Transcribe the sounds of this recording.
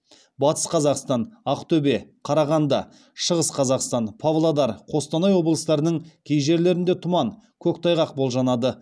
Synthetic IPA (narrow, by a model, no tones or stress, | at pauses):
bɑt̪əsqʰɑzɑqst̪ɑnɑqt̪ʰɵbe̞qʰɑɾɑʁɑnd̪ɑ | ʃəʁəsqʰɑzɑqst̪ɑnpʰavlˠad̪ɑɾqʰo̞st̪ɑnɑjwo̞blˠəst̪ɑɾənəɴkʲʰejʒe̞ɾle̞ɾɪnd̪e̞t̪ʰʊmɑn | kʲʰɵkt̪ʰɑjʁɑqbo̞lˠʒɑnɑd̪ə